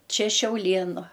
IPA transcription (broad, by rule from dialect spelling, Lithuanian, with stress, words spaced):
ˈt͡ʃʲɛ ʃʲɛʊˈlʲeːnʊ